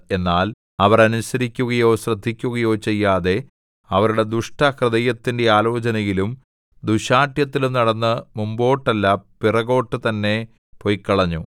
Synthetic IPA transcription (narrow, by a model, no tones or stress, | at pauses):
e̞nːaːl | ɐʋɐrɐnusɐɾikʲːuɣɐjo̞ːɕrɐd̪ʱːikʲːuɣɐjo̞ːt͡ɕe̞jːaːðe̞ | ɐʋɐɾuɽe̞d̪uʂʈɐkrɨðɐjɐt̪ːinde̞aːlo̞ːt͡ɕɐnɐjilum | d̪uɕaːʈjɐt̪ːilumnɐɽɐnːɨmumbo̞ːʈːɐlːɐpirɐɣo̞ːʈːɨt̪ɐnːe̞ | pojkːɐɭɐɲːu